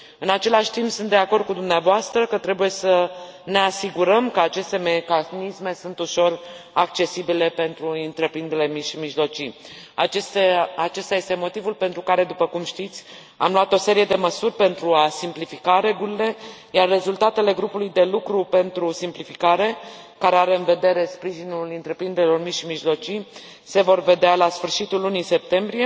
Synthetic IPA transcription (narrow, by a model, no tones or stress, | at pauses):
ɨnat͡ʃe̞laʃt̪impsunt̪d̪e̞ako̞rd̪̚kud̪umneavoast̪ɾəkət̪ɾe̞buje̞səne̞asiɡuɾəmkəat͡ʃe̞st̪e̞me̞kanisme̞sunt̪uʃo̞rak̚t͡ʃe̞sibile̞pe̞nt̪ɾuɨnt̪ɾe̞pɾind̪eɾelemiʃimiʒlo̞t͡ʃi | aseat͡ʃe̞st̪aje̞st̪e̞mo̞t̪ivulpe̞nt̪ɾukaɾe̞d̪upəkumʃt̪it̪sʲ | a̰mluat̪o̞se̞ɾije̞d̪e̞məsurʲpe̞nt̪ɾuasimplifikaɾe̞ɡulile̞ | jarːe̞zult̪at̪e̞le̞ɡɾupulujd̪e̞lukɾupe̞nt̪ɾusimplifikaɾe̞ | kaɾeaɾe̞ɨnve̞d̪e̞ɾe̞spɾiʒinulɨnt̪ɾe̞pɾind̪eɾʲilo̞rmiʃimiʒlo̞t͡ʃi | se̞vo̞rve̞d̪ealasfɨrʃit̪ulːunise̞p̚t̪e̞mbɾije̞